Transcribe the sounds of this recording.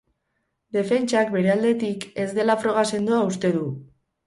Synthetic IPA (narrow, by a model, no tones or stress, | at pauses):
d̪e̞fe̞nt͡ʃakbe̞ɾe̞ald̪e̞t̪ike̞zd̪e̞lafɾo̞ɣ̞ase̞nd̪uaust̪e̞ðu